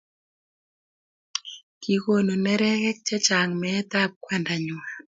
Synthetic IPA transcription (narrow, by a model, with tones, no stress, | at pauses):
ki˨ko˨no˨nɛ˦ɾɛ˦kɛ˦k̚t͡ʃɛ˦t͡ʃa˨ŋmɛ˨˦ta˦p̚kwa˦nda˨ɲʊ˨a˨